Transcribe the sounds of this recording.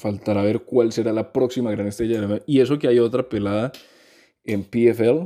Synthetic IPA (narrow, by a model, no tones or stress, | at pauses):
falt̪aɾaβe̞ɾkwalse̞ɾalapɾo̞ksimaɣɾanest̪ɾeʝaðemeie̞s̬o̞keajo̞t̪ɾape̞laða | empiefel